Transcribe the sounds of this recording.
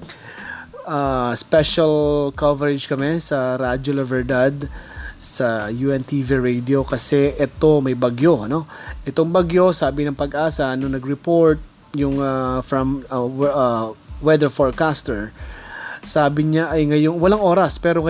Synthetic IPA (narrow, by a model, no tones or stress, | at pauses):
ʔaspɛʃɐlkovɛɾɪd͡ʒkɐmɛsɐɾad͡ʒolɐvɛɹd̪ad̪̚sɐjuɛnt̪iviɹɛjd̪io̞kɐsɛʔɛt̪o̞mɐjbɐɡjo̞no̞ʔɛt̪oŋbɐɡjo̞saːbɪnɐŋpɐɡʔaːsɐʔɐnoŋnɐɡɾɛpo̞ɹt̪̚ | jʊŋafɹɐm | wɛd̪ɛɹfoɹkast̪ɛɹ | saːbɪɲaʔɐjŋɐjoŋwɐlaŋʔo̞ːɾɐspɛːɾoŋɐ